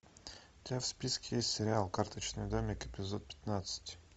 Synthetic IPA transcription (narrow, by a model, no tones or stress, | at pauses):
t̪ʲafspʲiskʲɪjesʲtʲsʲɪɾʲɪalˠkart̪ət͡ɕnɨjd̪omʲɪkɪpʲɪzot̪̚pʲɪ̥t̪nat̪sɨ̥tʲ